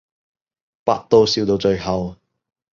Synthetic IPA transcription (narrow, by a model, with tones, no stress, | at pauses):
pa̰ː˧t̚t̪o˧wsiː˨˧wt̪o˧wt͡ʃɵ˧ɥɦɐ˨w